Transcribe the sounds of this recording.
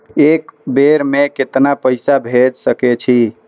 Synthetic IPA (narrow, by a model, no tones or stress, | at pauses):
ekbeɾmeket̪napəɪsabʱed͡ʒsəket͡ʃʰi